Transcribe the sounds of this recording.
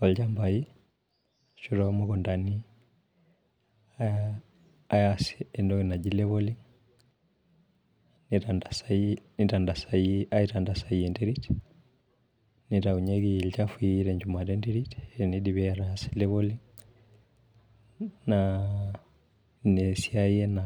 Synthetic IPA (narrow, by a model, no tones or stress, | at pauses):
ɔlt͡ʃambai | ʃuɾɔmɔkɔndani | ajasiɛndɔkinad͡ʒilɛβɔliŋ | nitandasainitandasaiaiɾandasaiɛndɛɾit | niɾauɲɛɡilt͡ʃafuiɾɛɲd͡ʒumaɾɛndiɾitɛnidiβɛaɾasi̥lɛβɔliŋ | na | nɛsiaiɛna